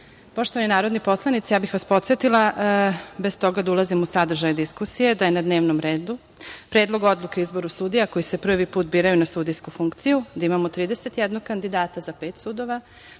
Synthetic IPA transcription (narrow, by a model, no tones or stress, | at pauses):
poʃt̪oʋaninaːɾo̞d̪nipo̞slˠanit̪ijaːbixʋaspo̞t̪se̞t̪ilˠa | best̪o̞ɡad̪aulˠazimusad̪r̩ʒajd̪iskusijed̪ajenad̪ne̞ːʋnomɾeːd̪u | pɾe̞ːd̪lˠo̞ɡo̞d̪lˠukeizbo̞ɾusud̪ijako̞jisepr̩ʋipuːt̪̚biːɾajunasuːd̪ijskufuŋkt̪sijud̪aimamot̪ɾiːd̪e̞set̪jɛd̪noɡ̚kand̪id̪aːt̪azapeːt̪suːd̪o̞ʋa